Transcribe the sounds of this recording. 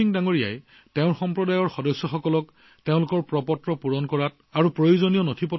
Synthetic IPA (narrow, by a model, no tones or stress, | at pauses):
iŋdaŋoɹija̰j | teʊ̃ɹxɔmpɹɔdajɔɹxɔdɔsːɔxɔkɔlɔk | teʊ̃lʊkɔɹpɹɔpɔtɹɔpuɹɔnkɔɹat̚ | aɹupɹojuzonijɔnotʰipɔ